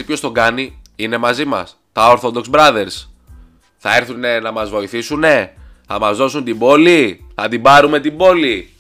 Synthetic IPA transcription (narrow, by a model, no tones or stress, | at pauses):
ipço̞st̪o̞ɡɐniine̞mɐzimɐ̰s | t̪ɐoɾθo̞d̪o̞kzbɾɐðe̞ɾs | θɐe̞ɾθune̞nɐmɐzvo̞iθisune̞ | θɐmɐzðo̞sunt̪ibo̞liθɐt̪ibɐɾume̞t̪ibo̞li